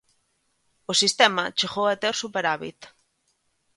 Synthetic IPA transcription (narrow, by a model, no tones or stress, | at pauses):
osist̪emat͡ʃiχoet̪eɾsupeɾaβḭt̪